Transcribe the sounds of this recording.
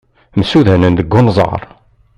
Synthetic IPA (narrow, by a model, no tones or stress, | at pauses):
msuðænənd̪əɡːʊnzˤə̰ɾˤ